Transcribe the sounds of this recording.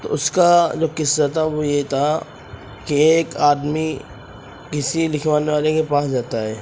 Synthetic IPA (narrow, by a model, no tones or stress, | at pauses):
t̪o̰ʊskad͡ʒoːkɪsːət̪ʰaʋojet̪ʰa | kieːkaːd̪mi | kɪsilɪkʰʋaːneʋaːlekepaːsd͡ʒaːt̪aɦɛː